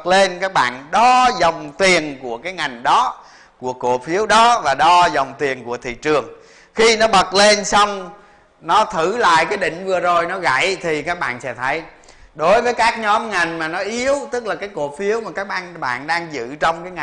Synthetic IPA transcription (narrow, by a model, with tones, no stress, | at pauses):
k̚le˧nkaː˦˥k̚ɓa̰ː˧˨nɗɔ˧zə˨˩wŋ͡mt̪i˨˩ənku˧˩əkaː˨˦jŋa˨˩jŋ̟ɗɔ˨˦ | ku˧˩əko˧˩fi˨˦əwɗɔ˨˦vaː˨˩ɗɔ˧zɔ˨˩wŋ͡mt̪i˨˩ənku˧˩ət̪ʰḭ˧˨t͡ɕɨ˨˩əŋ | xi˧nɔ˨˦ɓə˨˩t̚le˧nsɔ˧wŋ͡m | nɔ˨˦t̪ʰɨ˧˩la̰ː˧˨jkaː˨˦jɗï˧˨ŋ̟vɨ˨˩əzo˨˩jnɔ˨˦ɣa̰˧˨jt̪ʰi˨˩kaː˦˥k̚ɓa̰ː˧˨nsɛ̰˧˥t̪ʰə˨˦j | ɗo˨˦jvəː˨˦jkaː˦˥k̚ɲɔ˨˦mŋa˨˩jŋ̟maː˨˩nɔ˨˦ʔi˨˦əwt̪ɨ˦˥k̚laː˨˩kaː˨˦jko˧˩fi˨˦əwmaː˨˩kaː˦˥k̚ɓaː˧nɓa̰ː˧˨nɗaː˧ŋzɨ̰˧˨t͡ɕɔ˧wŋ͡mkaː˨˦jŋ˨˩